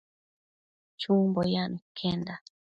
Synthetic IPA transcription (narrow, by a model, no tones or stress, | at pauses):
t͡ʃumbɔjanikʰɛnda